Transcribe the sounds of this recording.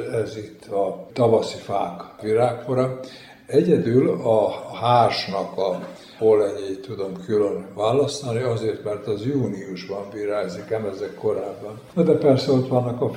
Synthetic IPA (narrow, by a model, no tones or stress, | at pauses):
ɛzit̪ʰːɒt̪ɒvɒsifaːkviɾaːkoɾɒ | ɛɟɛd̪ylɒhaːrʃnɒkɒ | olɛɲeːt̪ud̪o̞mkʰylønvaːlɒst̪ɒniɒzeːrt̪mɛrt̪ɒzjuːniuʒbɒɱbiːɾaːzikɛmɛzɛkko̞ɾaːbːɒnnɒd̪ɛpɛrsɛot̪ʋɒnːɒkɒ